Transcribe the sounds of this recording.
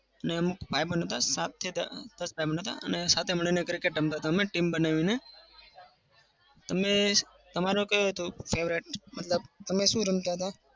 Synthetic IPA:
əneəmukpajbənɦət̪asat̪ʰːid̪d̪̥əsbʱajbənɦət̪a̰ə̰nesat̪ʰeməɭ̃inekɾɪkeʈɾəmt̪aɦət̪̬aəmeʈimbənaʋine | t̪əme | t̪əmaɾokəjoɦət̪ofʰeʋɾiʈ̚mət̪ləbt̪əmeʃũɾəmt̪aɦət̪a

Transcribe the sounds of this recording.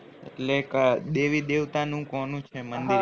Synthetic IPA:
ḛʈlekd̪eʋid̪eʋt̪anũkonũt͡ʃʰemənd̪i

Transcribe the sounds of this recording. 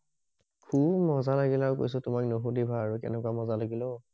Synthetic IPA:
kʰubmɔzalaɡilaɹuko̰js̬ʊtʊmaknoɦodibʱaːɹukɛ̰nɛkwamɔzalaɡilɔ

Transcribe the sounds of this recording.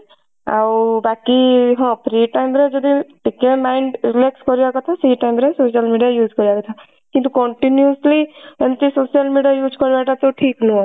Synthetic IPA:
a̰wbakiɦɔ̃pɾiʈajmɾed͡ʒɔd̪iʈikemajɳɖɾilekskɔɾibakɔt̪ʰasiɦiʈajmɾesosijalmiɖijajud͡ʒʱkɔɾibakɔt̪ʰa | kĩnt̪ukɔɳʈinjuslient̪isosijalmiɖiajud͡ʒkɔɾibaʈat̪oʈʰiknũ

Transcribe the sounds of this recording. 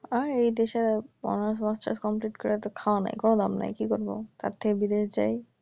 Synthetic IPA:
aɾejd̪eʃebɔ̰nasmasʈa̰ɾskɔmpliʈkɔɾet̪okʰaona̰jkonod̪amna̰jkikoɾbo̰t̪a̰ɾt̪ʰekebid̪eʃd͡ʑa̰j

